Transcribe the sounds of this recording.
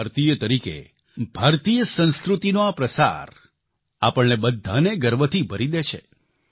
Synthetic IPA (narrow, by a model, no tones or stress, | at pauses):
ɾt̪ijət̪əɾikḛ | bʱaɾt̪ijəsə̃ñskɾut̪inoapɾəsa̰ɾ | a̰pəɳneɓəd̪ʱːaneɡəɾʋət̪ʰibʱəɾid̪et͡ʃʰḛ